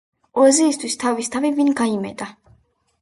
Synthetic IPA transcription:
ɔziːst̪ʰwist̪ʰavist̪ʰavivinɡaimɛ̰t̪ʼa

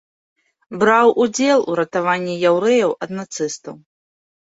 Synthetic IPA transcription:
bɾawʔud͡zʲɛlˠṵɾɐt̪avanʲːijawɾɛjɐwʔɐd̪nat̪sɨst̪ɐw

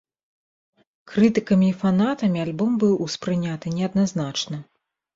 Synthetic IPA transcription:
kɾɨt̪ɨkɐmʲiːfanat̪ɐmʲialʲbɔmbɨwʔuspɾɨnʲat̪ɨnʲɛɐd̪̚naznat͡ʂnɐ

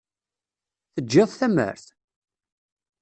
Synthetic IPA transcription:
θəd͡ʒːɪðˤθæmə̰ɾθ

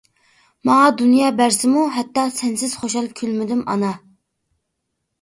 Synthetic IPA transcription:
mɑŋɑd̪unjɑːbæɾsɪmuɦɛt̪ːɑsɛnsɪz̥χoʃɑlˠkʲʰylmɪd̪ɪmɑ̰nɑ

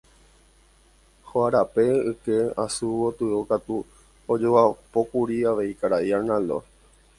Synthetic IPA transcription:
hoaɾape̞ɨke̞asuot̪ɨokat̪u | od͡ʒoʋapo̞kuɾiaʋe̞ikaɾaiaɾnãlo̰

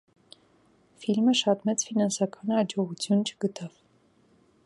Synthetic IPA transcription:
filməʃɑt̪mɛt͡sfinɑnsɑkʰɑnɑd͡ʒɔʁut͡sʰjunt͡ʃʰə̥ɡət̪ʰɑv

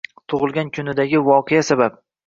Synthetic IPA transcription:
t̪ʰʊʁɨlˠɡʲankʲʰʊnɪd̪aɡʲɪvɒqʰejasabap̚

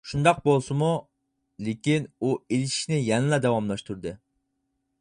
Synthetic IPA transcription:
ʃund̪ɑq̚bolˠsɨmu | lekʲinuelɪʃi̥ʃnɪjɛnɨlˠɑd̪ɛwɑmlˠɑʃt̪uɾd̪ɨ

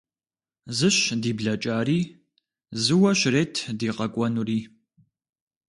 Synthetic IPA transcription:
zɨɕdiːbɮɐt͡ʃʼaːriː | zɨwɐɕreːtʰdiːqɐkʷʼɔnuriː

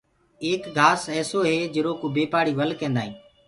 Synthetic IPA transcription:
eːkɡʱaːsɛːsoːɦeːd͡ʒɪɾoːkoːbeːpaːɽiːʋəlkẽːnd̪aːɦĩː

